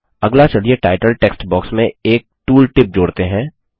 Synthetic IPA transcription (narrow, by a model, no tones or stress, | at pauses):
ɐɡlat͡ʃɐlieʈaːɪʈəlʈeːksʈbɔːksmẽeːk̚ʈuːlʈɪp̚d͡ʒoːɽt̪eɦɛ̃ː